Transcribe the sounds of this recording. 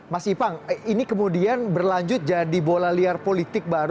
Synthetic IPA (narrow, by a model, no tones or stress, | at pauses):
masipaŋinikəmudianbərlaɲd͡ʒʊt̪̚d͡ʒadibolaliarpolit̪ɪk̚baɾ